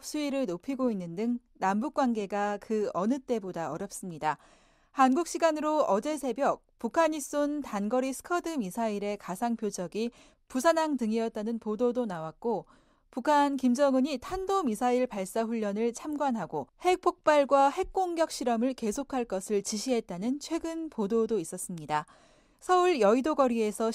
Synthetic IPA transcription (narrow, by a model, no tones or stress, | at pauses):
s͈uiɾɯɭnopʰiɡoinːɯndɯŋ | nambuk̚k͈wanɡe̞ɡakɯʌnɯt͈e̞bodaʌɾjʌp̚s͈ɯmɲida | hanɡuk̚ɕ͈ʰiɡanɯɾoʌd͡ʑe̞sʰe̞bjʌk̚pukʰaɲis͈ontanɡʌɾisʰɯ̥kʰʌdɯmisʰaiɾe̞kasʰaŋpʰjod͡ʑʌɡi | pusʰanaŋtɯŋiʌt̚t͈anɯnpododonawak͈o | pukʰankimd͡ʑʌŋɯɲitʰandomisʰaiɭpaɭs͈aɸuʎːʌnɯɭt͡ɕʰamɡwanɦaɡohe̞k̚pʰok̚p͈aɭɡwahe̞k̚k͈oŋɡjʌk̚ɕ͈iɾʌmɯɭke̞sʰokʰaɭk͈ʌsʰɯɭt͡ɕiɕʰiɦe̞t̚t͈anɯnt͡ɕʰwe̞ɡɯnpododois͈ʌs͈ɯmɲida | sʰʌuɭjʌidoɡʌɾie̞sʰʌ